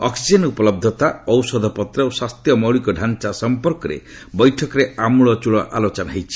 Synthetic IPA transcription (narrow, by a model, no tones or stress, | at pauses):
ɔksizenupɔlɔb̚d̪ʱɔt̪aɔwsɔd̪ʱɔpɔt̪ɾɔowswast̪jɔmɔɭikɔɖʱant͡ʃasɔmpɔɾkɔɾḛ | bɔjʈʰɔkɔɾeamuɭɔt͡ʃuɭɔʔa̰lot͡ʃɔnaɦejt͡ʃʰi̥